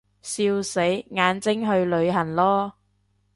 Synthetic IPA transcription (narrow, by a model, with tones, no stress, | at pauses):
siː˧wse˨˥jŋaː˨˧nt͡sɪ˥ŋɦɵ˧ɥlɵ˨˧ɥɦɐ˨˩nlɔː˥